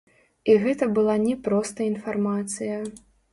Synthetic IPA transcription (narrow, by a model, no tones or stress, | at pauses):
iɣɛt̪ɐbɨlˠanʲɛpɾɔst̪ɐinfarmat̪sɨjɐ